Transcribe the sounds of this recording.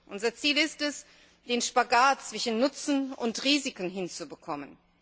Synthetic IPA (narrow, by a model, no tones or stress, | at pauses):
ʔʊnzɐt͡siːlɪstɛs | d̥eːnʃpaɡaːtt͡sv̥ɪʃn̩ːʊt͡sn̩ʊntʁiːzɪkən̩ɦɪnt͡subəkʰɔmən